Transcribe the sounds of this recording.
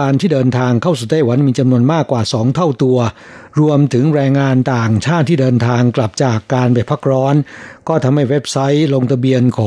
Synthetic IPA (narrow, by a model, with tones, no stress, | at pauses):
aː˧nt̪ʰiː˥˩dɤː˧nt̪ʰaː˧ŋkʰa˥˩ws̬uː˨˩t̪aː˥˩jwa˩˥nmiː˧t͡ɕa˧mnu˧ənmaː˥˩kːwaː˨˩sɔː˩˦ŋt̪ʰa˥˩wt̪u˧ɐ | ɾu˧əmt̪ʰɯ˩˦ŋɾɛː˧ŋːaː˧nt̪aː˨˩ŋt͡ɕʰaː˥˩t̪ʰːiː˥˩dɤː˧nt̪ʰaː˧ŋkla˨˩p̚t͡ɕaː˨˩kːaː˧nbeː˨˩t̚pʰa˦˥k̚ɾɔː˦˥nkɔː˥˩t̪ʰa˧mha˥˩jwe˦˥p̚sa˦˥jlo˧ŋt̪ʰa˧bi˧ənkʰɔː˩˦